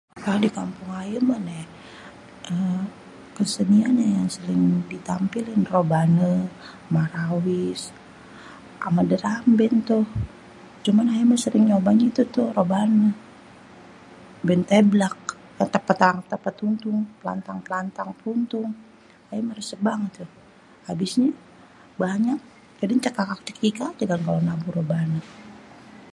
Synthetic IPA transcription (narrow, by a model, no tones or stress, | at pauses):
kadikampʊŋaəmənɛh | ʔə | kəsədianɲajaŋsəlɪŋdit̪ampilɪnrobanə | maɾawis | ʔa̰madəɾambɛnt̪uh | t͡ʃumanajiməsəɾɪŋɲobaɲait̪ut̪ʊhrobanə | bɛnt̪eblak̚ | at̪əpat̪aaŋt̪ːəpat̪uŋt̪uŋpla̰nt̪aŋplant̪aŋpunt̪ʊŋ | ajaməɾisəbaŋət̪ːu | habisɲa | baɲak̚ | kadaɲt͡ʃakakak̚t͡ʃə̥kikad͡ʒaɡankalonabuɾobanə